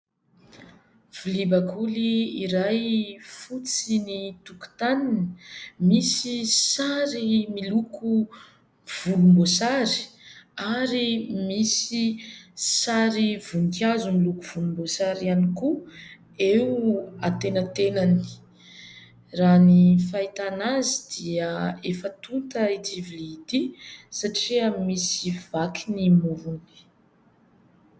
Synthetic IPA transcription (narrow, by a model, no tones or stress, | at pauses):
v̥ulibakʰuliiɾajfut͡sinit̪uku̥t̪aninəmisisaɾimiluku | v̥ulumbosaɾi̥aɾimisi | saɾiv̥untjazumilukuv̥ulumbosaɾianiku | ewat̪enət̪enani̥ | ranifait̪anazid̪̥iəefət̪ut̪əit͡siviliːt̪isaʈ͡ʂiəmisivakʰinimuɾuni̥